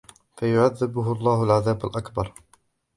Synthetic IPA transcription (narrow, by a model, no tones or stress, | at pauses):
fajʊʕaðːɪbʊɦʊɑlˤːɑːhalʕaðaːbalʔakbɑɾˤ